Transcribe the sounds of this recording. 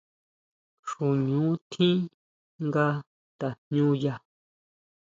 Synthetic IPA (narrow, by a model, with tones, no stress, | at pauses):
ʂu˨ɲũ˨˦t̪ʰĩ˦ | ŋɡa˧ | t̪a˨ɲ̥ɲũ˦ja˧